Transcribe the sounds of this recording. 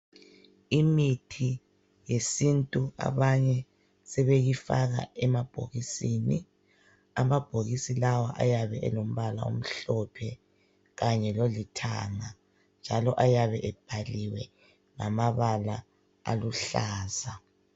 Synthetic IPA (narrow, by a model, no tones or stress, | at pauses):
imitʰi | jesintʼua̰βaɲɛ | sɛβeɣifaɣa̰ɛmab̥ʱo̰ɣisini | amab̥ʱoɣisilawaʔa̰jaβɛʔɛ̰lom̩βala̰ṵm̩ɬɔpʰɛ | ɣaɲɛlolitʰa̰ŋa | nd͡ʒʱalɔʔajaβɛʔɛb̥̚ʱaliwɛ | ŋamaβala | a̰luɬaːza